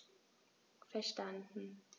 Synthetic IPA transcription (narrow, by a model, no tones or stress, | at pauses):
fɛɐʃtandn̩